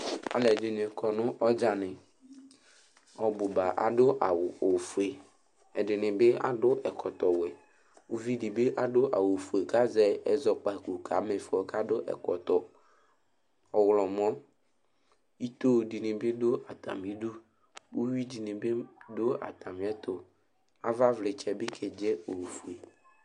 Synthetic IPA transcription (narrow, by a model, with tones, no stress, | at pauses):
a̰˨lɛ˨dɪ˨nɪ̃˨ɛ˨kʰɔ˨nʊ̃˦ʔɔ˦d͡ʒa˨nɪ̃˨ | ɔ˨bʊ˨ba˨ʔa̰˨dʊ˦ʔa˨wʊ˨o˨fu˨e˨ | ɛ˨dɪ˨nɪ̃˨be˦a̰˨dʊ˦ʔɛ˨kʰɔ˨t̪ɔ˨wɛ˨ | wu˦vi˦dɪ˨be˦ʔa˨dʊ˦ʔa̰˨wo˨fu˨e˨ka˦zɛ˦ɛ˨zɔ˨k͡pa˨ku˨kʰa˨˦mɪ˨fɔ˨ka˦dʊ˦ʔɛ̰˨kɔ˨t̪ɔ˨ | ɔ˨wlɔ˨mɔ̃˦ | i˦t̪o˦˨di˨nẽ˨be˦do˦a˨t̪a̰˨mi˦ɖu˦ | wu˦wi˦di˨ne˨be˦do˦a̰˨t̪a˨m˨ɛ˦t̪o˨ | a˦va˦vle˨t͡ʃɛ˨be˦kʰɛ˨d͡ʒɛ˦o˨wfu˨e˨